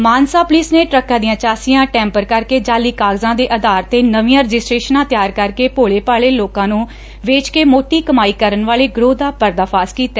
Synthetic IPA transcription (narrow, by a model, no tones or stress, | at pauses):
maːnsaːpʊliːsneːʈɾəkːãːd̪ɪjãːt͡ʃaːsijãːʈɛ̃ːmpəɾkəɾkeːd͡ʒaːliːkaːɡzãːd̪eːʔəd̪aːɾt̪eːnəʋijãːɾəd͡ʒɪsʈɾeːʃənãːt̪jaːɾkəɾkeːpoːɭeːpaːɭeːloːkãːnũː | ʋeːt͡ʃkeːmoːʈiːkəmaːiːkəɾənʋaːleːɡɾoːd̪aːpəɾd̪aːpʰaːskiːt̪ɛː